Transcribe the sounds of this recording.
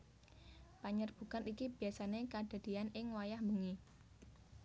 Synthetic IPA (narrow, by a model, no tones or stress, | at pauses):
paɲərb̥ṳkanikib̥i̤asanekad̥a̤d̪̥i̤anɪŋwajahmbuŋi